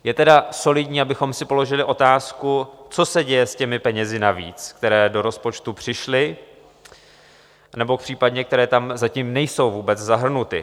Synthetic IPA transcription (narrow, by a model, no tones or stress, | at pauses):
jɛt̪ɛdaso̞lɪdɲiːabɪxo̞msɪpo̞lo̞ʒɪlɪʔo̞t̪aːskut͡so̞sɛɟɛjɛscɛmɪpɛɲɛzɪnavḭːt͡skt̪ɛɾɛːdo̞ɾo̞spo̞t͡ʃt̪upr̝̥ɪʃlɪ | nɛbo̞k̚pr̥iːpadɲɛk̚t̪ɛɾɛːt̪amzacimnɛjso̞wvuːbɛt͡szaɦr̩nut̪ɪ̰